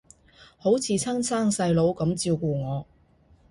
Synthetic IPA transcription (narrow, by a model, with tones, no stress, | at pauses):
ho˨˥wt͡sʰiː˨˧t͡sʰɐ˥ŋsaː˥ŋsɐ˧jlo˨˥wkɐ˨˥mt͡siː˧wkuː˧ŋɔː˨˧